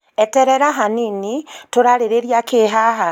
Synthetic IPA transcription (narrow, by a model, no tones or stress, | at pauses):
ɛtɛɾɛɾaɦaninitoɾaɾeɾeɾjakeɦaɦa